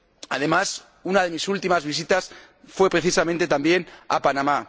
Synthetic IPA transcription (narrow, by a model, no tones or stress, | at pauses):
aðe̞mas | unað̞emisult̪imazβis̬it̪as | fwe̞pɾeθisamẽnt̪e̞t̪ambje̞na̰panama